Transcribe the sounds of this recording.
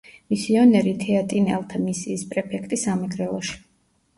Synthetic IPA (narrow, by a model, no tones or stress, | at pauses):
misiɔnɛɾit̪ʰɛat̪ʼinɛ̰lˠt̪ʰamisiːspʼɾɛpʰɛkʰt̪ʼisamɛɡɾɛlˠɔʃi̥